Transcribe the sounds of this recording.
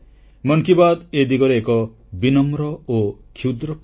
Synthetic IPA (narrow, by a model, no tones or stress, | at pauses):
mɔŋkibad̪ed̪iɡɔɾeːkɔ | binɔmɾɔokʰud̪ɾɔ